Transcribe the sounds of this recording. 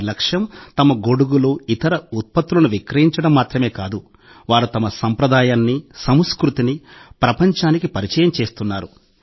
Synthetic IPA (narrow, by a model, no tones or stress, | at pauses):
lɐkʂjɐmt̪ɐmɐɡo̞ɽuɡuluːit̪ɐɾɐut̪̚pɐt̪ːulɐnuʋikɾɐjiɲt͡ʃɐɽɐmːaːt̪ɾɐme̞ːkaːd̪u | ʋaːɾut̪ɐmɐsɐmpɾɐd̪aːjaːnːisɐmskɾut̪inipɾɐpɐɲt͡ʃaːnikipɐɾit͡ʃɛːjɐmt͡ʃe̞ːst̪unːaːɾu